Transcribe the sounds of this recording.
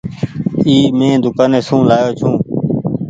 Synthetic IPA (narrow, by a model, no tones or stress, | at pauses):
iːmẽːd̪ʊkaːneːsũːlaːjoːt͡ʃʰũː